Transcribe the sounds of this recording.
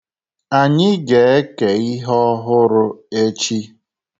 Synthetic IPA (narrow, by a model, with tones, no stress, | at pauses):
a˨ɲɪ˦ɡe˨˦e˦ke˨i˦ɦɔ˦ɦʊ˦ɾʊ˦e˦t͡ʃi˦